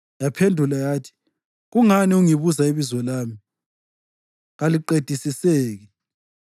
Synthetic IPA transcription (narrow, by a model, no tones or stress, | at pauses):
japʰendʱulajaːtʰi̥ | ɣuŋaniuŋiβuzaiβizwɔlaːmi | ɣaliǃed̥ʱisiseːɣɛ